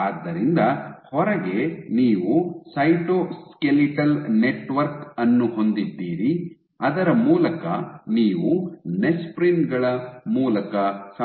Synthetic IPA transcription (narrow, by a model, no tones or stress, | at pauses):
aːd̪ːɐɾind̪ɐhɔɾɐɡe̞niːʋusɐjʈoskeliʈɐlne̞ʈʋɐɾkɐnːuɦo̞nd̪id̪ːiːɾi | ɐd̪ɐɾɐmuːlɐkɐniːʋunespɾinɡɐɭɐmuːlɐkɐsɐ